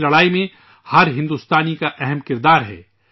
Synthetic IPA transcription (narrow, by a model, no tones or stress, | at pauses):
lɐɽaːimẽ | hɐɾɦɪ̃nd̪uːst̪aːnikaʔɛɦɛmkɪɾd̪aːɾɦɛ̰ː